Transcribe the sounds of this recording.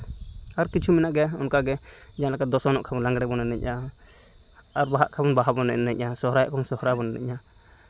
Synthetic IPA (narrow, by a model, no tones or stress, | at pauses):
aɾkit͡ʃʰuminaʔɡɛɔnkaɡɛ | d͡ʒanlakad̪ɔsɔnɔʔkʰabɔnlaŋɡɽɛbɔnɛnɛc̚ˀa | aɾbaɦa̰ʔkʰabɔnbaɦabɔnɛ̰nːɛɲasɔhɾajaʔkʰɔnsɔhɾabɔnɛnɛ̰c̚a